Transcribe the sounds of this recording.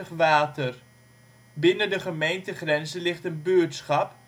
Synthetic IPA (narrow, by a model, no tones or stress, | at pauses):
əχʋaːtər | bɪnədəχəmejntəχrɛnzəlɪχtənbøːtsχɑp